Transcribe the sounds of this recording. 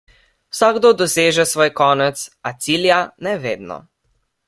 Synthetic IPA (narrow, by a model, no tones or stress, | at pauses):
wsaɡd̪od̪ɔseːʒɛsʋɔːjkɔːnɛt̪sat̪siːljanɛʋeːd̪nɔ̰